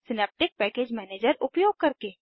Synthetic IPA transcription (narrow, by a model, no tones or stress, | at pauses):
sɪneːp̚ʈɪk̚pɛːkeːd͡ʒmɛːneːd͡ʒəɾʊpjoːɡ̚kɐɾkeː